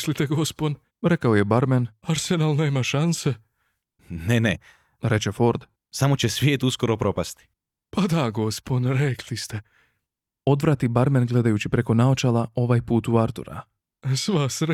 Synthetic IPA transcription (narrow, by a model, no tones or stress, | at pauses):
slit̪eɡo̞spon | ɾekaoje̞baɾmenaɾsenalneːmaʃanse | nene | ɾe̞t͡ɕefo̞ɾd̪ | samo̞t͡ɕesʋjeːt̪uskoɾopɾo̞past̪i̥ | pad̪aɡo̞sponɾekʰlist̪e | o̞d̪ʋɾat̪ibaɾmenɡle̞d̪ajut͡ɕipɾe̞ko̞naot͡ʃalˠao̞ʋaːjpuːt̪uaɾt̪ṵɾa̰ | sʋasɾ